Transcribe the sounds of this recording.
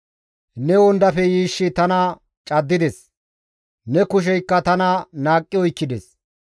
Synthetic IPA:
nɛwɔnd̪ɐfɛjiːʃːɪt̪ɐnɐ | t͡ʃʼɐd̪ːɪd̪ɛs | nɛkʊʃ̬ɛjkːɐt̪ɐnɐnaːkʼːɪɔjkːɪd̪ɛs

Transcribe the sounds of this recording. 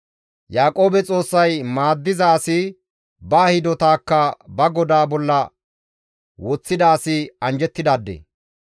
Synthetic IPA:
jaːkʼo̞ːbɛt͡sʼo̞ːsːɐjmaːd̪ːɪzɐːsɪ | baːhɪd̪ɔt̪aːkːɐbɐɡɔd̪aːbɔlːɐ | wɔt͡sːɪd̪ɐːsɪɐnd͡ʒɛt̪ːɪd̪aːd̪ːḛː

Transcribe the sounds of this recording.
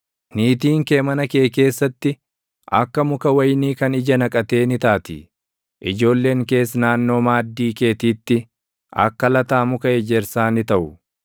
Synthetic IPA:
niːt̪̬iːŋke̞ːmɐnɐke̞ːke̞ːsːɐt̪ːɪ | ʔɐ̰kːɐmʊkɐwɐjniːkɐnɪd͡ʒɐnɐkʼɐt̪e̞ːnɪt̪aːt̪ɪ̰ | ʔɪd͡ʒo̞ːlːe̞ːŋke̞ːsnaːnːo̞ːmaːd̪ːiːke̞ːt̪iːt̪ːɪ | ɐ̰kːɐlɐt̪aːmʊkɐɛd͡ʒɛɾsaːnɪt̪ɐʔʊ

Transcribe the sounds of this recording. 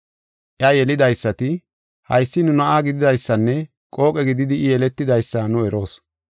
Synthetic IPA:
ʔɐjɛlɪd̪ɐjsːɐt̪ɪ | hɐ̰jsːɪnʊnɐʔaːɡɪd̪ɪd̪ɐjsːɐnːɛ | kʼo̞ːkʼɛɡɪd̪ɪd̪ɪːjɛlɛt̪ːɪd̪ɐjsːaːnʊɛɾo̞ːs

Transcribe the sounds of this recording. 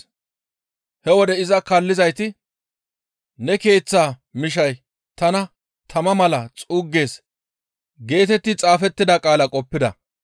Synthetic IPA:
hɛwɔd̪ɛɪzɐkɐlːɪzɐjt̪ɪ | nɛke̞ːt͡sːaːmɪʃ̬ɐj | t̪ɐnɐ | t̪ʰɐmɐmɐlɐt͡sʼuːɡːe̞ːs | ɡe̞ːt̪ɛt̪ːɪt͡sʼaːfɛt̪ːɪd̪ɐkʼaːlɐkʼɔpːɪd̪ɐ̰

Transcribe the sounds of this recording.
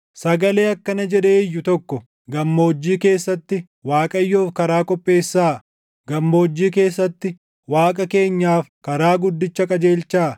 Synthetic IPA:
sɐɡɐle̞ːɐkːɐnɐd͡ʒɛᶑ̪eːɪjːʊt̪ɔkːɔ | ɡɐmːo̞ːd͡ʒːiːke̞ːsːɐt̪ːɪ | waːkʼɐjːoːfkɐɾaːkʼɔpʼːe̞ːsːaː | ɡɐmːoːd͡ʒːiːke̞ːsːɐt̪ːɪ | waːkʼɐke̞ːɲːaːfkɐɾaːɡʊd̪ːɪt͡ʃːɐkʼɐd͡ʒe̞ːlt͡ʃːaː

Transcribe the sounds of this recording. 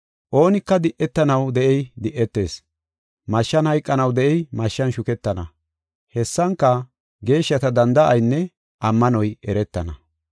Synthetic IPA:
ʔo̞ːnɪkːɐd̪ɪʔːɛt̪ːɐnɐwd̪ɛʔɛjd̪ɪʔːɛt̪ːe̞̰ːs | mɐʃːɐnhɐjkʼːɐnɐwd̪ɛʔɛjmɐʃːɐnʃʊkɛt̪ːɐnɐ | hɛsːɐŋkːɐ | ɡe̞ːʃːɐt̪ɐd̪ɐnd̪ɐʔɐjnːɛ | ʔɐmːɐnɔjɛɾɛt̪ːɐnɐ

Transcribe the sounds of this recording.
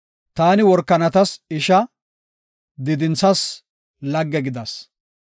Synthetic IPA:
t̪aːnɪwɔɾkːɐnɐt̪ɐsɪʃɐ | d̪ɪd̪ɪnsɐs | lɐɡːɛɡɪd̪ɐs

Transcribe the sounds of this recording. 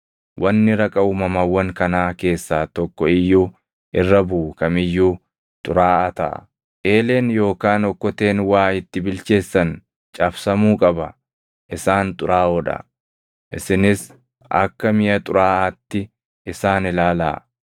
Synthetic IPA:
wʔɐnːɪɾɐkʼɐuːmɐmɐwːɐŋkɐnaːke̞ːsːaːt̪ɔkːɔɪjːuː | ʔɪrːɐbuːkɐmɪjːuː | t̪ʼʊ̰ɾaːʔɐt̪ɐʔɐ̰ | ʔe̞ːle̞ːnjo̞ːkaːnɔkːɔt̪e̞ːnwaːɪt̪ːɪbɪlt͡ʃe̞ːsːɐn | t͡ʃʼɐfsɐmuːkʼɐbɐ | ʔɪsaːnt̪ʼʊɾaːɔᶑɐ̰ | ʔɪsɪnɪs | ʔɐ̰kːɐmɪjɐt̪ʼʊɾaːɐt̪ːɪ | ɪsaːnɪlaːlɐ̰ː

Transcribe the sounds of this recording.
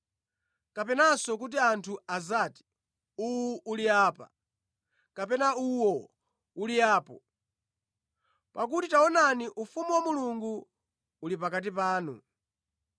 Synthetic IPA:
kapɛnasɔk̬ut̬iantʰuazaːti̥ | uwuʔuliaːpa̰ | kapɛnauwɔ | uliaːpɔ | pakutitaɔnaniʔufumuwamuluŋɡu | ulipakat̬ipaːnu

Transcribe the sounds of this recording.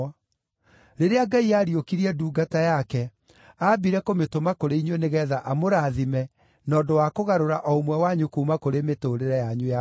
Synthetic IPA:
ɾeɾeaɡaiaɾiokiɾiɛduːɡatajakɛ | abiɾɛkometomakoɾeiɲwɛneɣɛðaʔamoɾaðimɛ | nɔːdowakoɣaɾoɾaʔɔomwɛwaɲukumakoɾemetoɾeɾɛjaɲuja

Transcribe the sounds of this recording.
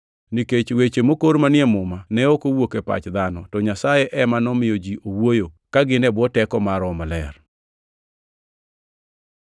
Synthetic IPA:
niket͡ʃwet͡ʃemokoɾmanɪjɛmʊmanɛokowokepa̰t͡ʃd̪anɔtɔɲasajeʔɛmanɔmɪjod͡ʒiʔowojokaɡɪnɛbɔtɛkɔmaɾɔmalɛ̰r

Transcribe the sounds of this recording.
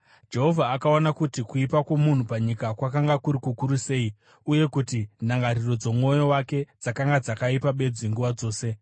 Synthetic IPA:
d͡ʒe̞ɦo̞vʱaːkao̞nakutikuipakwo̞mun̤upaɲikakwakaŋɡakuɾikukuɾuse̞ːi | uje̞kutinaŋɡaɾiro̞d͡zo̞muo̞jo̞wake̞d͡zakaŋɡad͡zakaipaɓe̞d͡ziŋɡuʋad͡zo̞ːse̞

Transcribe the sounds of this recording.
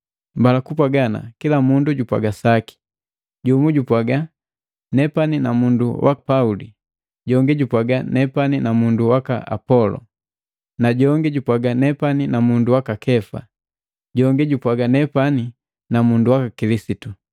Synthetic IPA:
mbalakupwaɡana̰kilamunduɟupwa̰ɡasaki̥ | ɟumuɟupwaɡa | nɛpaninamundṵwʔa̰paulḭ | ɟɔŋɡiɟupwaɡanɛpaninamunduwaka̰ʔa̰pɔlɔ̰ | naɟɔŋɡɛɟupwaɡanɛpaninamunduwakakʰɛfa̰ | ɟɔŋɡɛɟupwaɡanɛpani | namunduwakakilisitu

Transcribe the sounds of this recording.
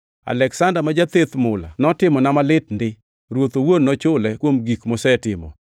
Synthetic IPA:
a̰lɛksandamad͡ʒat̪et̪mʊla̰nɔtɪmɔnamalɪt̚ndɪ | ɾwot̪owonːɔt͡ʃʊlɛkwomɡikmɔsɛtɪmɔ̰

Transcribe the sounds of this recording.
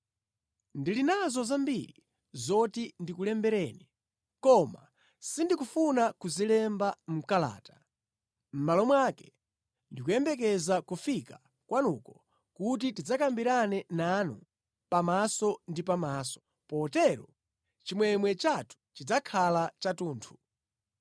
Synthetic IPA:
ndilinazɔzambiɾḭ | zɔtindikulɛmbɛɾɛːnɛ | kɔma̰ | sindikufunakuzilɛmbam̩kala̰ːtḁ | m̩malɔmwaːkɛ̥ | ndikujɛmbɛk̬ɛzakufika | kwʔanṵːkɔ | kut̬itid͡zakambiɾanɛnanṵ | pamasɔndipamaːsɔ̥ | pɔtɛɾɔ | t͡ʃimwɛmwɛt͡ʃatu̥t͡ʃid͡zakʰalat͡ʃatuːntʰu̥

